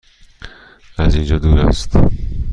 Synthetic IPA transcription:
æzind͡ʒɒːd̪uːɾæ̰st̪

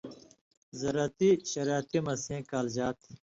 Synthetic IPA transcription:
zɐɾat̪iɕɐɾaːt̪imɐsẽːkaːld͡ʑaːt̪ʰ

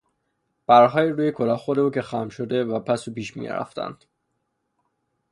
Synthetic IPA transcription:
b̥æɾɦɒːjiɾuːjekʰolɒːhxod̪euːcʰe̞xæmʃod̪e̞væpʰæsupiːʃmḭɾæ̰ft̪æ̰nd̪̥

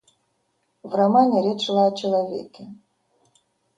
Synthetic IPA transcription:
vramanʲɛɾʲɛt͡ʂlˠaɐt͡ʃɐlˠavʲɛ̰kʲɛ

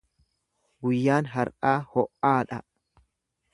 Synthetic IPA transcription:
ɡʊjːaːnɦɐɾʔaːhɔʔːaːᶑɐ

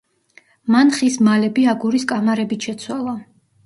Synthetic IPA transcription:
manχismalɛbiaɡuɾiskʼamaɾɛbit̪ʃɛt̪sʰwalˠa

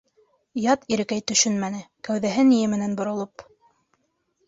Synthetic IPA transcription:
jɑt̪iɾɘ̆kæjt̪ɵ̆ʃɵnmænɘkæwðæɦɘnijɘmɘ̆nænbŏɾŏlˠop

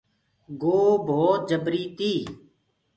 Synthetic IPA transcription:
ɡoːbʱoːt̪̚d͡ʒəbɾiːt̪iː

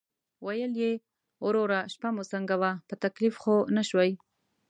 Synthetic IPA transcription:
wajəlje | oɾoɾaʃpamosəŋɡawapət̪aklifxonaʃwaj

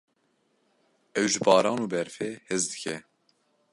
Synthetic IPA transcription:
ɛwʒɨbɑːɾɑːnuːbɛɾfeːhɨzd̪ɨkʰɛ

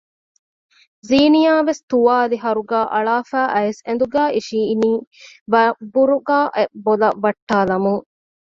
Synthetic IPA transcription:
ziːnijaːʋest̪uʋaːliɦɐɾuɡæːʔɐɭaːfæːʔɐesend̪uɡæːʔiʃiːniːʋbuɾuɡaːʔebolɐʋɐʈːaːlɐmuŋ

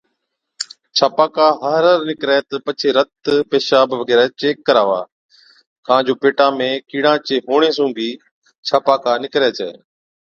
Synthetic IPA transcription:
t͡ʃʰaːpaːkaːɦəɦɾəɾnɪkɾɛːt̪əpət͡ʃʰeːɾət̪peːʃaːbɪʋəɡɛːɾɛːt͡ʃeːkːəɾaːʋa̰ː | kãːd͡ʑoːpeːʈãːmẽːkiːɽãːt͡ʃeːɦoːɽ̃eːs̬ũːɡiː | t͡ʃʰaːpaːkaːnɪkɾeːt͡ʃʰḛː

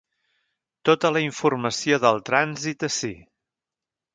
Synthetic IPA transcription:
t̪ot̪ələiɱfurməsioðəlˠt̪ɾanzit̪əsḭ

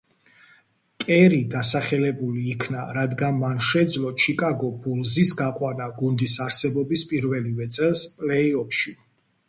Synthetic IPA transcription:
kʼɛɾid̪asaχɛlɛbuliːkʰnaɾad̪ɡanmanʃɛd̪zlɔt͡ʃʰikʼaɡɔbulˠzisɡaqʼwanaɡund̪isaɾsɛbɔbispʼiɾvɛlivɛt̪sʼɛlˠspʼlɛiɔpʰʃi

